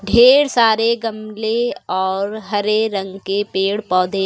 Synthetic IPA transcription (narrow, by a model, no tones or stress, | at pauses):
ɖʱeːɽsaːɾeɡɐmleɔːɾɦɐɾeɾɐ̃ŋɡkepeːɽpɔːd̪ʱe